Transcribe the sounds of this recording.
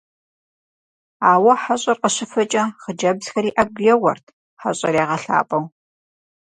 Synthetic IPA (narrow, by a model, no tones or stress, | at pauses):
aːwɐħaɕʼɐrqəɕɪfɐt͡ʃʼɐχəd͡ʒɐbz̥xɐɾiːʔɐb̚ɡjɛwɐ̰rtʰ | ħa̰ɕʼɐ̰ɾjaːʁɐɬa̰ːpʼɐw